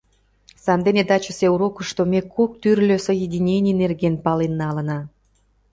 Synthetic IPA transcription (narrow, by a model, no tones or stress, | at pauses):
sɑmd̪ened̪ɑt͡ɕə̆seuɾokə̆ʃt̪omʲekok̚t̪yrlʲøsəjedʲinʲenʲijnerɣenpɑlenːɑlə̆nɑ